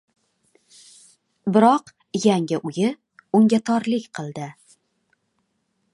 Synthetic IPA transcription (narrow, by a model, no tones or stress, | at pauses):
bɪɾɒq | jaŋʲɪʔʊjɪ | ʊŋɡʲat̪ʰɒɾlɪkʲqʰɨlˠd̪ɪ